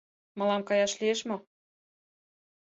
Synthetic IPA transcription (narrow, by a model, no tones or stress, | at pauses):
mɤ̆lɑmkɑjɑʃlieʃmŏ